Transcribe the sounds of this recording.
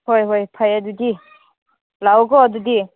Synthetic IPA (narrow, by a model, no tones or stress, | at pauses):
hojɦojpʰajadudi | lawɡɔːdudi